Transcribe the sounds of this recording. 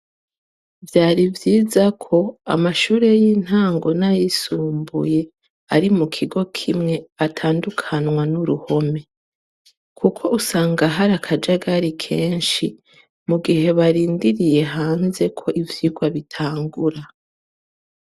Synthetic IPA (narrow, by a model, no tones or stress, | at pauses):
vjaːɾivjiːzakʰo̞a̰maʃuːɾe̞jiːn̥haːŋɡo̞najisuːmbṵje̞ | aɾimukʰiɡo̞kʰimŋe̞atʰaːndukʰanŋwanuɾuho̞me̞ | kʰukʰo̞ʔusaːŋɡaɦaɾakʰad͡ʒaɡaɾikʰe̞ːnʃi | muɡihe̞βaɾiːndiɾije̞ɦaːnze̞kʰo̞ʔivjiɡwaβitʰaːŋɡuɾa